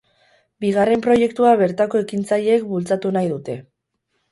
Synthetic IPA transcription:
biɣ̞are̞mpɾo̞je̞kt̪uaβe̞ɾt̪ako̞e̞kint͡saʎe̞ːkbult͡sat̪unajðut̪e̞

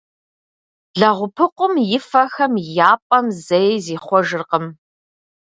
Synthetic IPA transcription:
ɮɐʁʷʊpʰɨqʷʊmjɪfɐxɐmjaːpʼɐmzɐjziːχʷɔʒɨrqəm

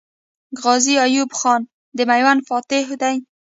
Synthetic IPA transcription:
ɣɑziajubxɑn | d̪əmajwanfɑt̪ɪɦʊd̪aj

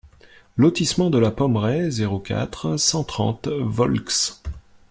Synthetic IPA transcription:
lɔt̪ismɑ̃d̪əlapɔmʁɛzeʁokʲa̰t̪χsɑ̃t̪χɑ̰̃t̪vɔlks

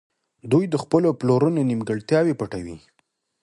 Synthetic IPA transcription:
d̪ujd̪əxpəloploɾənonimɡəɽt̪jɑwepəʈawḭ

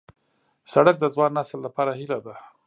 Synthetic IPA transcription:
saɽək̚d̪əzwɑnːasəlːapɑɾahilad̪a

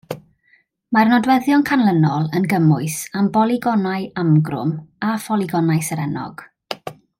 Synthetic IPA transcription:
marnɔdwɛðjɔnkʰanlˠənɔlˠənɡəmʊɨsambɔlˠiɡɔnaɨamɡrʊ̰mafɔlˠiɡɔnajsəɾɛnɔ̰ɡ̥

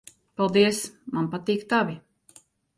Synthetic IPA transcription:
palˠd̪iəsmanpat̪iːkt̪avi

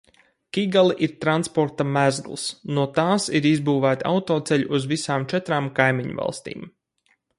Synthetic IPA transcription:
kʲiɡalˠiʔiɾt̪ɾanspɔɾt̪amæzɡlˠsnuɔt̪aːsiɾizbuːvæːt̪a̰wt̪ɔːt̪sɛʎʲuʔːzvisaːmt͡ʃɛt̪ɾaːmkajmiɲṵva̰lˠst̪ḭːm

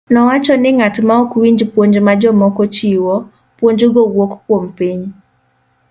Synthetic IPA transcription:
nɔwat͡ʃɔnɪŋatmaɔkwiɲd͡ʒpwoɲd͡ʒmad͡ʒɔmɔkɔt͡ʃiwɔ | pwoɲd͡ʒoɡowokkwompiɲ

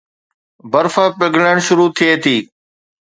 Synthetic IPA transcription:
bəɾfəpɪɡʱɽəɽ̃ʃʊɾuːt̪ʰieːt̪ʰiː

